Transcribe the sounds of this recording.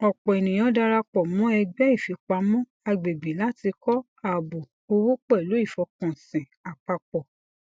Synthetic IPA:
ɔ˨k͡pɔ˨i˨nĩ˨j̃ɔ̃˨˦da˧ɾa˧k͡pɔ˨mɔ̃˨˦ɛ˧ɡ͡bɛ˦i˦˨fi˨˦k͡pa˧mɔ̃˦ | a˧ɡ͡be˨ɡ͡bi˨la˦ti˧kɔ˦ | a˨bo˨ | o˧wo˦k͡pɔ˦i˨lo˨˦i˦˨fɔ˨˦kɔ̃˨sɛ̃˨a˨k͡pa˧k͡pɔ˨

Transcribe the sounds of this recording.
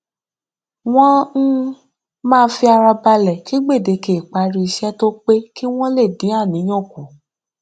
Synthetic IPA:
w̃ɔ̃˦n̩˦ | mãː˦˧˦fi˧a˧ɾa˧ba˧lɛ˨ki˦ɡ͡be˦˨de˨˧ke˨k͡pa˧ɾi˧i˧ʃɛ˦to˦k͡pe˦ki˦w̃ɔ̃˦le˦˨dĩ˨˦a˦˨nĩ˨˦j̃ɔ̃˦˨ku˨

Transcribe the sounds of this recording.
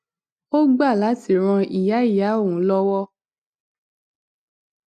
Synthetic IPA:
o˦ɡ͡ba˦˨la˨˦ti˦˨ɾ̃ã˧i˨ja˨˦i˦˨ja˨˦o˦˨wũ˨˦lɔ˦wɔ˦

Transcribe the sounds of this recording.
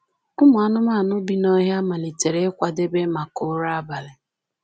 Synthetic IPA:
ʊ˦mʊ˨a˦nʊ˦ma˦˨nʊ˦bi˦nɔ˦ɦja˦ma˨li˨te˨ɾe˦kʷa˨de˦be˦ma˨kʊ˦ɾa˦ba˨lɪ˨

